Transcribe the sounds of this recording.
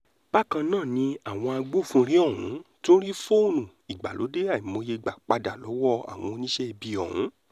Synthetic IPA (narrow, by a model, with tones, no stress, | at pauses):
b̥a˦˨kã˧nãː˦˨nĩ˧˦a˦˨w̃ɔ̃˧a˧ɡ͡bo˦˨fũ˦˧ɾi˦ɔ˦˨ɦũ˨˦to˦ɾi˦fo˦nũ˨ | i˨ɡ͡ba̰˨lo̰˨˦de˦a˦˨i˨mõ˧je˧i˨ɡ͡ba˨k͡pa˧da˨lɔ˨˦wɔ˦a̰˦˨w̃ɔ̃˧o˧nĩ˦ʃe˦i˧bi˧ɔ˨hṵ̃˨˦